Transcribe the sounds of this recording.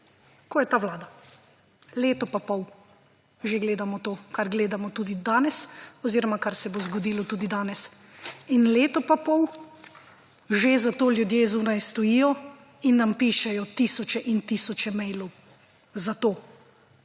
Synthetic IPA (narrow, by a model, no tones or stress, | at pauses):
koːjɛt̪aːwlaːd̪a | leːt̪ɔpapɔw | ʒeɡleːd̪amɔt̪oːkaɾɡleːd̪amɔt̪uːd̪id̪aːnɛsɔziːɾɔmakaɾsɛbozɡɔd̪iːlɔt̪uːd̪id̪aːnɛs | inleːt̪ɔpapɔw | ʒezat̪oːljud̪jeːzuːnajst̪ɔjiːjɔ | inːampiːʃɛjɔt̪iːsɔt͡ʃɛʔint̪iːsɔt͡ʃɛmɛjlɔw | zat̪oː